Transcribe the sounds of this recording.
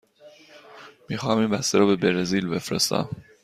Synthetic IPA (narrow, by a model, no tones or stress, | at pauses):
miːxɒːmiːmbæst̪eɾɒːbe̞beɾeziːlbe̞fɾḛst̪æ̰m